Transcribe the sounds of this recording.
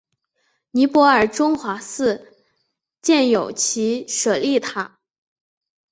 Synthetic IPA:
ni˧˥pwɔ˧˥ə˞˨˩ʈ͡ʂʊ˥ŋxwa˧˥sɹ̩˥˧ | t͡ɕjɛ˥˩njo˨˩ʊt͡ɕʰi˧˥ʂɤ˨˩li˥˩t̪ʰa˥

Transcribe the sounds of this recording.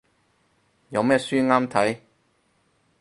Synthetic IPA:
jɐ˨˧wmɛː˥syː˥ŋaː˥mt̪ʰɐ˨˥j

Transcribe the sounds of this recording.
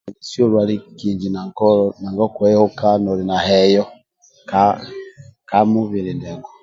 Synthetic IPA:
sjo˦˨ɾwa˨ɾi˦ki˨ɲd͡ʒi˨na˨ŋkɔ˦ɔ˨na˨ŋɡɔ˦kwɛ˦ho˦ka˦nɔ˨ɾi˨na˨hɛ˨jɔ˦ | ka˦ | ka˦mu˦βi˨ɾi˨ndɛ˨ɡɔ˨

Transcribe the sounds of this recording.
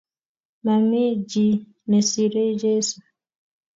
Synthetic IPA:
ma˨mi˦d͡ʒi˨ | nɛ˨si˨ɾe˦d͡ʒɛ˦su˨

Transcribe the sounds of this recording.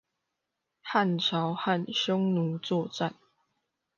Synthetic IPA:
ha˥˨nʈ͡ʂʰɑ˨˦ʊha˥˨nɕjɔ˥˦ŋnu˨˦t͡swɔ˥˨ʈ͡ʂa˥˨n

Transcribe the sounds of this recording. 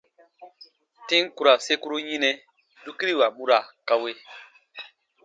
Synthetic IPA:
tĩ˦ŋ˦ku˨ɾa˨se˦ku˦ɾu˦ɲĩ˦nɛ̃˦ | du˦ki˦ɾi˦˨wa˨mũ˦ɾa˨ka˦we˦

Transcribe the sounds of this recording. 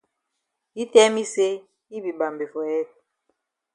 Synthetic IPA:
i˦tɛ˦mi˦se˦ | i˦bi˨ba˨mbe˨fɔ˨jɛ˦˨t̚

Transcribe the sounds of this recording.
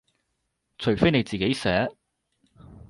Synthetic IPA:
t͡ʃʰɵ˨˩ɥfe˥jne˨˧jt͡siː˨˩ke˨˥jsɛː˨˥

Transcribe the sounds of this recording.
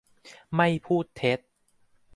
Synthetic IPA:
ma˥˩jpʰuː˥˩t̪ʰːe˦˥t̪̚

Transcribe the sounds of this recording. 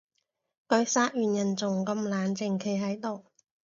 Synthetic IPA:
kɵ˨˧ɥsaː˥t̚jyː˨njɐ˨˩nt͡sʊ˨˩ŋkɐ˧mlaː˨˩nt͡sɪ˨˩ŋkʰe˨˩jɦɐ˨˥jt̪o˨w

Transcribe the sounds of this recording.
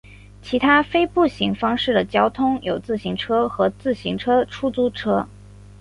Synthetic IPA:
t͡ɕʰi˧˥t̪ʰa˥fe˥ɪpu˥˩ɕi˧˥ŋfɑ˥ŋʂɻ̩˥˩d̪ə˩t͡ɕjɑ˥ʊt̪ʰʊ˥ŋjo˨˩ʊt͡sɹ̩˥˩ɕi˧˥ŋʈ͡ʂʰɤ˥xɤ˧˥t͡sɹ̩˥˩ɕi˧˥ŋʈ͡ʂʰɤ˥ʈ͡ʂʰu˥t͡su˥ʈ͡ʂʰɤ˥

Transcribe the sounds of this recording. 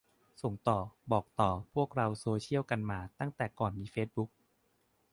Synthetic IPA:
so˩˦ŋt̪ɔː˨˩bɔː˨˩k̚t̪ɔː˨˩pʰu˥˩ək̚ɾa˧wsoː˧t͡ɕʰi˥˩əwka˧nmaː˧t̪a˥˩ŋt̪ɛː˨˩kɔː˨˩nmiː˧feː˦˥t̪̚bu˦˥k̚

